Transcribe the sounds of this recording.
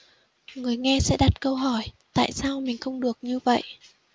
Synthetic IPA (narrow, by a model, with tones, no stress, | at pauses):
ŋɨ˨˩əjŋɛ˧sɛ̰˧˥ɗa˨˩t̚kə˧wɦɔ˧˩jt̪a̰ː˧˨jsaː˧wmï˨˩ŋ̟xə˧wŋ͡mɗɨ˨˩ək̚ɲɨ˧və̰˧˨jʔ